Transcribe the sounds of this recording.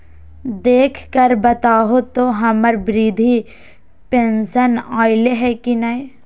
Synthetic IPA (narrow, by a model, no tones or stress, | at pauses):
d̪eːkʰkəɾbɐt̪aːɦot̪oɦɐməɾbɾiːd̪ʱi | pẽnsənaːɪleɦɛkinɐe